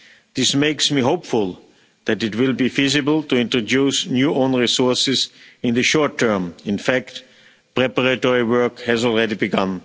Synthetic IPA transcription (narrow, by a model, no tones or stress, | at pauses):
ðɪsmeɪksmiɦoʊpfʊlˠ | ðætɪtwɪlˠbiːfizɪbəl̩ˠtuɪ̃ntɹ̥odusnjuːʔõʊ̃nɹisɔɹsɪzɪ̃nðɨʃɔɹtʰɜ̃˞mɪ̃nfækt | pɹɛpəɹatɔɹiwɜ˞khɛzɔl̩ˠɹɛɾibɨɡʌ̃n